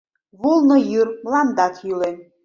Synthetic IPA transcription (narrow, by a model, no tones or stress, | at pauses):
vulˠnɤjyrmlˠɑnd̪ɑt̪ʰjylen